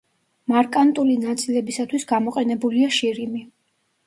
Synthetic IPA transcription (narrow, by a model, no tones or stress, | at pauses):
maɾkʼant̪ʼulinat̪sʼilɛbisat̪ʰwisɡamɔqʼɛnɛbuliaʃiɾimi